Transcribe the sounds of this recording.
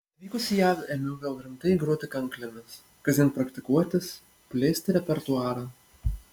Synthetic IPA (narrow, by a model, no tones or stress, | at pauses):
ʋʲiːkʊsʲɪjæːʋɛmʲɪɡɐlˠɾʲɪmt̪ɐɪɡɾuɔt̪ʲɪkɐŋklʲɪmʲɪs | kɐsʲɪnpɾɐkt̪ʲɪkuɔt̪ʲɪs | pʲlʲeːsʲt̪ʲɪɾʲɛpʲɛɾt̪ʊɑːɾɐ